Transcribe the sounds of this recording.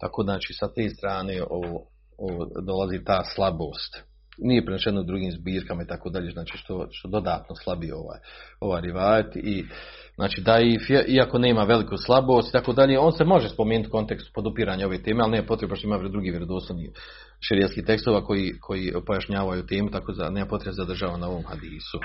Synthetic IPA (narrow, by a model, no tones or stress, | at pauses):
t̪akoːznaːt͡ʃiːsat̪eːst̪ɾaːne̞ːoo | ood̪o̞lazit̪aːslˠaboːst̪ | nijepɾeneʃednoud̪ɾuɡiːmzbiːɾkamait̪akoːd̪aʎezaːt͡ʃi̥ːʃt̪o̞ʃt̪od̪o̞d̪aːt̪noslˠabijeo̞̰ʋa̰ːjo̞ʋaːjɾiʋaːlt̪i | zna̰ːt͡ʃiːd̪aifeʔiako̞ne̞ːmaʋe̞likuslˠabo̞ːst̪i̥t̪akoːd̪aʎeo̞ːnsemo̞ʒespo̞meːnut̪ko̞nt̪e̞kst̪u̥po̞d̪upiɾaːɲao̞ʋet̪eːmealˠneːmapo̞t̪ɾebaʃt̪oimaːʋɾd̪ɾuɡiːʋjeɾod̪osoniː | ʃeɾijelskiːht̪e̞kst̪oːʋaːko̞jiːkʰo̞jipo̞jaʃɲaːʋajut̪e̞ːmut̪akoza̰neːmapo̞t̪ɾebezad̪r̩ʒaːʋanao̞ʋo̞mha̰d̪iːsu